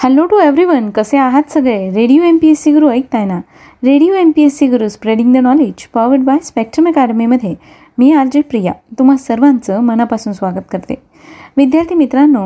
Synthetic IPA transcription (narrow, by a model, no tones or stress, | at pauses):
hɛlːoʈueʋɾiʋənkəseaɦat̪səɡɭeɾeɽijoempiesiɡəɾuəik̚t̪ajna | ɾeɽijoempiesːiɡəɾuːspɾeɽĩŋɡd̪ənɔled͡ʑpɔʋəɖbajspɛk̚ʈɾəmɛkaɽəmiməd̪ʱje | miːald͡ʑepɾija̰t̪um̤asəɾʋãnt͡səmənapasuːnsʋaɡət̪kəɾt̪e | ʋid̪jaɾt̪ʰiːmit̪ɾanːo